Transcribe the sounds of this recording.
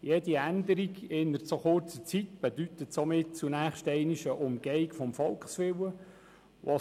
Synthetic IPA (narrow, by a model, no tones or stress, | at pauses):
jed̥iænd̪əɾiɡɪnːəɾt͡soχʊrt͡sət͡sitb̥ɛdytət̪somɪt̚t͡sunæːχʃtɛɪniʃəʔʊmɡ̥ɛikfɔmfɔlkχsʋɪwə | ʋʔo